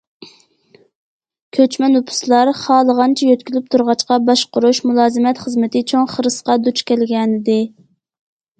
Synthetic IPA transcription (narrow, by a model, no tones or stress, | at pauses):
kʲʰøt͡ʃmɛnupʰʊ̥slˠɑɾχɑːlˠəʁɑnt͡ʃʰɛjøt̪̚kʲylyp̚t̪ʰuɾʁɑt͡ʃqɑbɑʃqʊɾuʃmulˠɑːzɪmɛt̪χəzmɪt̪ʰɪt͡ʃʰoŋχəɾɨsqɑd̪ut͡ʃkʲɛlɡʲɛnɪd̪ɪ